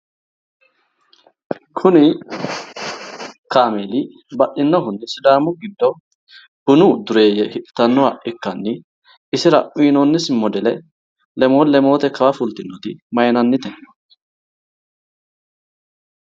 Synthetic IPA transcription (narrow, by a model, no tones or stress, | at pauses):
kʰʊnɪ | kaːmelɪ | bɐʔɪnːɔɦʊnːɪsɪd̪aːmʊɡɪd̪ːɔ | b̥ʊnud̪ʊɾeːjɛhɪʔt̪ːɐnːɔwaʔɪkːɐnːɪ | ɪsɪɾɐʔiːnɔnːɪsɪmːɔd̪ɛlɛ | lɛmoːlɛmo̞ːt̪ɛkʰɐwɐfʊlt̪ɪnːɔt̪ɪmɐjnɐnːɪt̪ɛ